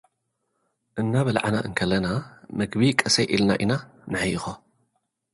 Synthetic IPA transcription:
ʔɨnːaβɐlʕanaʔɨŋkʰɐlːɐnamɐɡbikʼɐsɐjʔilna̰ʔinanɨħajɨxo

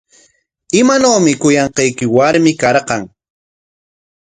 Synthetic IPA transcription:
ɪmanawmɪkʊjɑɴqɑjkɪwaɾmɪkɑɾqɑŋ

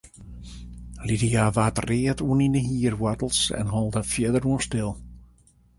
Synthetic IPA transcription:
lidijaʋaːtreːətuənindəɦiːərwɔtl̩ˠsɛ̰nɦɔlˠdəfjɪdəɾuənstɪlˠ

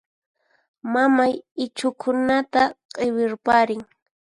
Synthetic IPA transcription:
mamajɪt͡ʃʊkʰʊnat̪aqʼɪwɪɾpaɾɪŋ

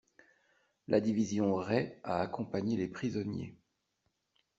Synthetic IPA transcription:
lʔa̰d̪ivizjɔ̃ʁɛaːkɔ̃paɲelepχizɔnjḛ

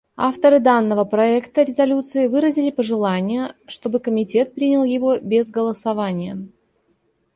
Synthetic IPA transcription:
aft̪əɾɨd̪anːəvəpɾɐɛkt̪əɾʲɪzɐlʲut̪sɨɪvɨɾəzʲɪlʲɪpəʐɨlˠanʲɪjəʂt̪o̞bɨkəmʲɪtʲe̞t̪̚pɾʲinʲɪlˠjɪvo̞bʲɪzɡəlˠəsɐvanʲɪjə

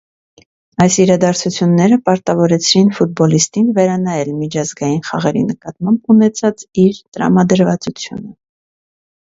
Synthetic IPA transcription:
ɑjsiɾɑd̪ɑɾt͡sʰut͡sʰjunːɛɾəpɑɾt̪ɑvɔɾɛt͡sʰɾinfut̪̚bɔlist̪invɛɾɑnɑjɛlmit͡ʃʰɑzɡɑjinχɑ̰ʁɛɾḭnəkɑt̪mɑmbunɛt͡sʰɑt͡siɾt̪əɾɑ̰mɑd̪əɾvɑt͡sut͡sʰjṵnə

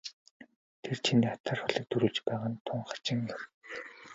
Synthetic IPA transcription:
t̪ʰert͡ɕʰiniːat̪ʰaːrχʊɮĭk̚t̪ʰɵɾŭːɮt͡ɕpæːʁaːnt̪ʰʊɴχḁt͡ɕɪ̆ŋɔr

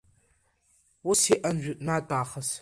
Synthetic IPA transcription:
wʊsiʔɐnʒʷᶣʊtʼnaːtʼaːχɐs

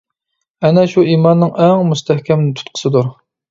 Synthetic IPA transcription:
ɛnɛʃuiːmɑnːɨŋɛŋmust̪ʰɛhkʲɛmnɪt̪ʰu̥t̪̚qʰə̥sɨd̪uɾ

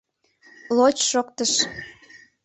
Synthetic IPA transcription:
lot͡ɕʃokt̪əʃ

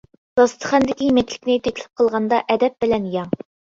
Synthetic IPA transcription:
d̪̥ɑst̪ʰə̥χɑnd̪ɪkʲimɛkʲlʲɪ̥kʲnɪt̪ʰɛkʲlɪ̥p̚qʰəlˠʁɑnd̪ɑʔɛd̪ɛp̚bɪlɛnjɑŋ

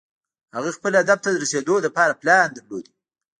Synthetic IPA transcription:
haɣəxpəlad̪ab̚t̪ad̪əɾased̪oləpɑɾaplɑnd̪əɾlod̪i

